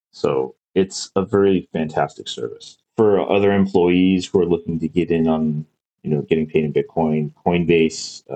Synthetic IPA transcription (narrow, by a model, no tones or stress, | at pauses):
soʊ | ɪtsəvɛɹifæ̃ntʰæstɨksɜ̰˞vɨs | fə˞ʌ̰ðə˞ɨ̃mpʰl̥ɔɪiz̥huə˞lʊkɪ̃ŋtɨɡɛɾɪ̃nə̃n | jɨnoʊɡɛɾɪ̃ŋpʰeɪɾɨ̃nb̥ɪt̚kʰɔ̃ɪ̃nkʰɔ̃ɪ̃nbeɪs